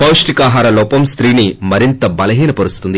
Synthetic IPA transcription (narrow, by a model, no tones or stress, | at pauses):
pɐwʂʈikaːɦaːɾɐlɔːpɐmst̪ɾiːnimɐɾint̪ɐbɐlɐɦiːnɐpɐɾust̪und̪i